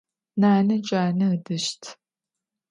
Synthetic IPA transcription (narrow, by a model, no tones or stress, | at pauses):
naːnɐt͡ʃʼaːnɐɨdɨʃtʰ